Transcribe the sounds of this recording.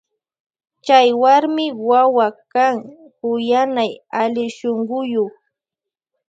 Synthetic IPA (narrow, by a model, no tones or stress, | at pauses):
t͡ʃajwaɾmɪwawakaŋ | kʊjanajalɪʃoŋɢʊjoχ